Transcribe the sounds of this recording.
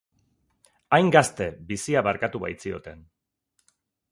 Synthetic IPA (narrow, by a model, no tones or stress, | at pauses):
ajŋɡast̪e̞bisiaβaɾkat̪uβa̰jt͡sio̞̰t̪e̞n